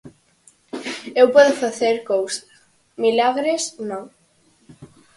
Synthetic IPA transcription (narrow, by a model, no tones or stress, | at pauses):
ewpɔðʊfaθeɾkowsḁ | milaɣɾesnõŋ